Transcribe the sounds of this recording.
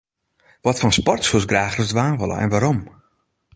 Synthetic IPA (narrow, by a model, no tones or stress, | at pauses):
ʋɔtfɔnspɔrtsusɡraːxrəsdʋaːnʋolə̰ʔɛ̰nʋaɾom